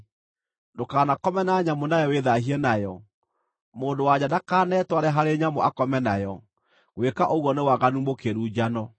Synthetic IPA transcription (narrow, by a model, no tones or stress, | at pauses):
ndokaːnakɔmɛnaɲamonajɔweðahiɛnajɔ | moːndowaɲadakaːnɛːtwaɾɛɦaɾeɲamoʔakɔmɛnajɔ | ɣwekaʔoɣwɔnewaɣanumokeɾuːd͡ʑanɔ